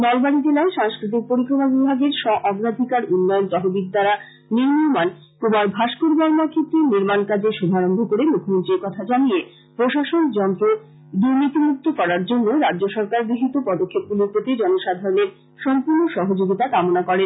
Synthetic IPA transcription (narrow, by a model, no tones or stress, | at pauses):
nɔlbaɽid͡ʑelaeʃaŋskɾit̪̬ik̚poɾikɾomabibʱaɡeɾʃɔʔɔɡɾad̪ʱikaɾunːɔont̪ɔɦubik̚d̪aɾa | niɾmiɾman | kubaɾbʱaʃkuɾbɔɾmakʰet̪ːɾeniɾmankad͡ʑeʃud̪ʱaɾombʱokoɾemukʰːomont̪ɾiɾkɔt̪ʰad͡ʑanije | pɾoʃaʃond͡ʑɔnt̪ɾo | d̪uɾnit̪imuk̚t̪ʰokɔɾaɾd͡ʑonːoɾadːd͡ʑoʃɔɾkaɾbiɦit̪opɔd̪okʰːep̚ɡuluɾpot̪id͡ʑɔnoʃad̪ʱaɾoneɾ | ʃɔmpuɾnoʃɔɦod͡ʑoɡit̪akamonakɔɾen